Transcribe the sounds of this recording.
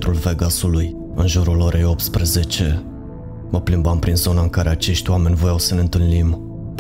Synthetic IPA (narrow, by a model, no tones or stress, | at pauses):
t̪ɾulveɡasuluj | ɨnʒuɾulo̞ɾʔe̞jo̞p̚t̪spɾeze̞t͡ʃe̞ | məplimbampɾinzo̞naɨŋkaɾe̞at͡ʃe̞ʃt̪ʲwame̞nʲvojawsəneɨnt̪ɨlnim | p